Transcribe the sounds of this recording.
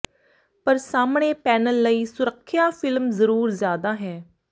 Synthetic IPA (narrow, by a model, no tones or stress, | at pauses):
pəɾsaːmɽ̃eːpɛːnəlːəiːsʊɾəkʰːɪjaːfɪlmzəɾuːɾzjaːd̪aːɦɛː